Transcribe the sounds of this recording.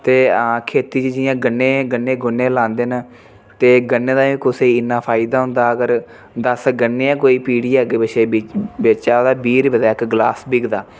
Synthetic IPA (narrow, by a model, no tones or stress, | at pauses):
t̪eːãːkʰeːt̪iːd͡ʒd͡ʒɪjãːɡənːeːɡənːeːɡʊnːẽːlãːnd̪eːn | t̪eːɡənːẽːd̪ãːĩːkʊseɪnːaːpʰaːid̪aːɦʊ̃nd̪aːəɡəɾ | d̪əsɡənːeːãːkoːiːpiːɽiːɛɡet͡ʃeːbeːt͡ʃaːd̪aːbiːɾbəd̪aːɪkɡlaːsbɪɡd̪aː